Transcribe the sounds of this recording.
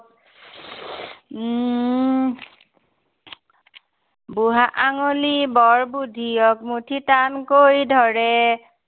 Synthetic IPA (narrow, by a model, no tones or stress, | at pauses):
buɦaʔaŋolibɔɹbudʱijɔk̚mutʰitankojdʱɔɹɛ